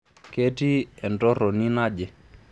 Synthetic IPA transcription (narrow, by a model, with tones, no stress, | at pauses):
ke˦ti˦ɛ˨ntɔ˦ɾɔ˨ni˦na˦d͡ʒɛ˨